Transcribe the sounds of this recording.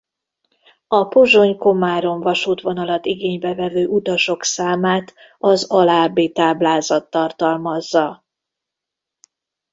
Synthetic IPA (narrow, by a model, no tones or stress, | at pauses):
ɒpoʒo̞ɲko̞maːɾo̞ɱvɒʃuːt̪ʋo̞n̪ɒlɒt̪iɡeːɲbɛvɛvøːʔut̪ɒʃo̞ksaːmaːt̪ | ɒzɒlaːbeːt̪aːblaːzɒt̪ːɒrt̪ɒlmɒzːɒ